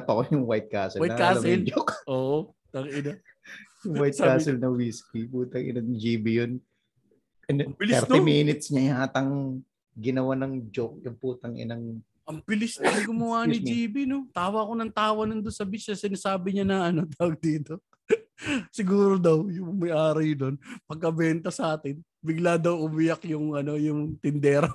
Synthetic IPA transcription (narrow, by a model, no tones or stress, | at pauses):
pɐkojʊŋwajt̪̚kasɛlwajnɐkaːsɐɛld͡ʒokʔoːʔo | t̪ɐŋɪnɐ | jʊŋwajt̪̚kaːsɛlnɐwiskipuːt̪ɐŋʔɪ̰nɐŋd͡ʒiːbijon | ɐnɐmbɪlɛɾt̪ɪmiːnɪt̪sɲɐjhaːt̪ɐŋ | ɡɪnɐwanɐŋd͡ʒok̚jʊŋpuːt̪ɐŋʔɪ̰nɐŋ | ʔɐŋpɪlɪsnɐnɐɡʊmʊwaːnid͡ʒiːbino̞t̪aːwɐkonɐŋt̪aːwɐnʊnd̪onsɐbisɐsɪnasaːbɪɲanɐʔɐno̞t̪aːwɐɡ̚d̪iːt̪o̞ | sɪɡuːɾod̪ɐwjʊŋʊmɐjʔaːɾɐjd̪onpɐɡ̚kːɐbɛnt̪ɐsɐʔaːt̪ɪn | bɪɡlad̪ɐwʔʊmɪjakjʊŋʔɐno̞jʊŋt̪ɪnd̪ɛːɾɐ